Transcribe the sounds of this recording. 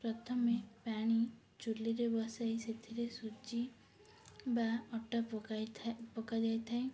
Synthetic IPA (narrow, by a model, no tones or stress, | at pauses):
pɾɔt̪ʰɔmepaɽ̃i | t͡ʃulːiɾebɔsajset̪ʰiɾesud͡ʒi | baɔʈa | pɔkad͡ʒajt̪ʰae